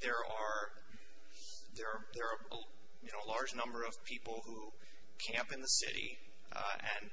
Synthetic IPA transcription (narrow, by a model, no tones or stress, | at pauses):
ðə˞ə˞ | ðə˞ | ðə˞ə | jɨnoʊəlɑɹd͡ʒnʌ̃mbə˞ʌv̥pʰipl̩ˠhu | kʰæ̃mpɨ̃nðəsɪ̰ɾḭ | ɨ̰̃n